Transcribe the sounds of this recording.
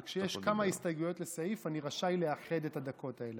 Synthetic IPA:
kʃejeʃkamaistajɡujo̞tlesaifaniʁaʃajle̞aχe̞d̪ethad̪ako̞tae̞le

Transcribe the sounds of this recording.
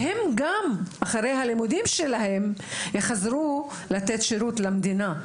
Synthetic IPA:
he̞mɡamaχaʁe̞jɦalimud̪imʃelahe̞mjeχazɾu | lat̪e̞t̪ʃeɾut̪lamd̪ina

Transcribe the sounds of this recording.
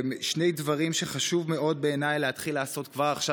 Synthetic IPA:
mʃne̞jdvaʁimʃe̞χaʃuvme̞o̞d̚beːnajleat̪χilːaaso̞t̪kvaʁaχʃa

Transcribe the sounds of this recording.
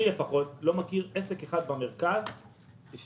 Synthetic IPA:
lefaχo̞tlo̞makiʁesekeχad̪̚bame̞ʁkaz | ʃ

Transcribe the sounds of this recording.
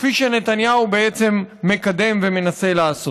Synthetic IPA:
fiʃene̞t̪anjaubeet͡se̞mːe̞kad̪e̞mve̞me̞nase̞leaso

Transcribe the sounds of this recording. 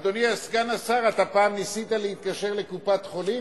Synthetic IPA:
d̪oniasɡanasaʁat̪apaːmnisit̪aleit̪̚kaʃeʁlekupat̪χoli

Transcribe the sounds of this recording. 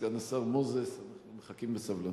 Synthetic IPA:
ɡanasavmozesanaχnumeχakimbesavla

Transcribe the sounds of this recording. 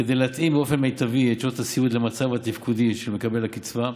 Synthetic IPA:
ked̪ejleat̪ʔimbeo̞fe̞nmejt̪aviet͡ʃot̪hasiud̪lemat͡savat̪ivkud̪iʃelme̞kabe̞lhakit͡sva

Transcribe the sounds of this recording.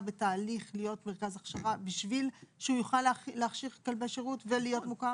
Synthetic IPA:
betaːliχlijo̞tme̞ʁkazaχʃaʁabiʃvilʃeujuχalleaχʃiʁkalbeʃeʁutvelijo̞tmuka

